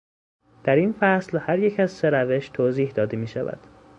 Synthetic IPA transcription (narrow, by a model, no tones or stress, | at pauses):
d̪̥æɾinfæslhæɾjecʰæzseɾæve̞ʃt̪ʰoziːhd̪ɒːd̪e̞miːʃævæ̰d̪̥